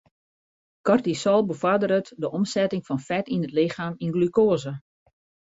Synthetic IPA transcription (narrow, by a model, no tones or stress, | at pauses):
kɔrtisɔlˠbəvadəɾətdəʔɔmsɛtɪŋfɔnfɛtinətlɪxaːminɡlykoːzə